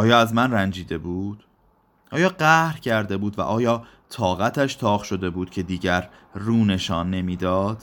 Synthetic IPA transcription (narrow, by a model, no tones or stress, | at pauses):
ʔɒːjɒːæzmænrænd͡ʒiːd̪e̞buːd̪̥ | ʔɒːjɒːɢæhɾcʰæɾd̪e̞buːd̪væ̰ʔɒːjɒː | t̪ʰɒːɣæt̪ʰæʃt̪ʰɒːɣʃo̞d̪e̞buːd̪̥̚cʰe̞d̪iːɟæɾːuːne̞ʃɒːnːe̞miːd̪ɒːd̪̥